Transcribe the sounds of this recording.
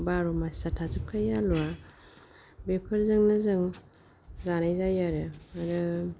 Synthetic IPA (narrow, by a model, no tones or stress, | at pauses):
baɾomasatʰazɯp̚kʰajalwa | bepʰɯɾzɯŋnɯzɯŋ | zanajzajaɾɯaɾɯ